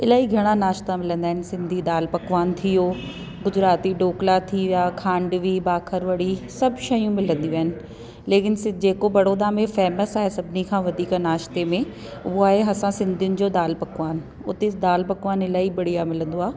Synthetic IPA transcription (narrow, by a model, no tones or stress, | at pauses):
ɪlaːɦiɡʱɐɽ̃anaːʃt̪amɪlə̃nd̪aːɦɪ̃nɪ̆sɪ̃nd̪ʱid̪aːlpɐkʋaːnt̪ʰijoː | ɡʊzɾaːt̪iɖoːklat̪ʰiʋijaːkʰãːɳɖʋibaːkʰəɾʋɐɽisɐbʱʃɐjũmɪlə̃nd̪iũaːɦɪnɪ̆ | leːkɪnsd͡ʑeːkobɐɽoːd̪ãːmẽfɛːməsaːɦesɐbʱɪnikʰãːʋɐd̪ʱiːknaːʃt̪emẽ | ʊɦoaːɦeɦɐsãsɪ̃nd̪ʱijʊnɪ̆d͡ʑoːd̪aːlpɐkʋaːn | ʊt̪ed̪aːlpɐkʋaːnɪlaːɦibɐɽijamɪlə̃nd̪oaː